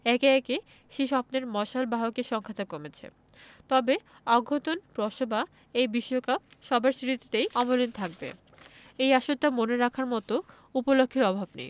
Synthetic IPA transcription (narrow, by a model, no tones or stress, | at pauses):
ɛkeɛke | ʃiʃɔpneɾmɔʃalbaɦokeʃɔŋkʰat̪akomet͡ɕʰḛ | t̪ɔbe | ɔɡʱːot̪onpɾɔʃoba | ejbiʃːokap̚ʃɔbaɾsɾit̪it̪ejɔmolint̪ʰak̚bḛ | ejaʃot̪ːamoneɾakʰaɾmɔt̪o | upolokʰːeɾɔbʱabnḛj